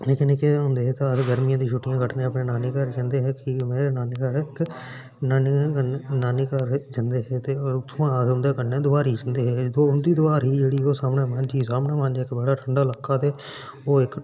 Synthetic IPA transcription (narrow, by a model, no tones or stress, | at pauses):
leːkɪneːkeɦõːnd̪eːɦɛːt̪aətɡəɾmɪjãːd̪iːʃʰʊʈɪjãːkəʈʰnẽːəpɳẽːnaːneːkəɾkɛ̃ːnd̪eːɦɛːkɪmeːɾeːnaːneːkəɾɪk | naːnĩkənaːneːkəɾd͡ʒənd̪eːɦɛːt̪eːoːt̪ʰːãːʊ̃nd̪eːkənẽːd̪ʊaːɾɦiːd͡ʒənd̪eːɦɛːʊnd̪iːd̪ʊaːɾɦiːd͡ʒeːɽiːoːsaːmneːmə̃nd͡ʒiːsaːmnaːmə̃nd͡ʒɛːkbəɽaːʈʰəɳɖaːlaːkʰːaːt̪eː | oːɪk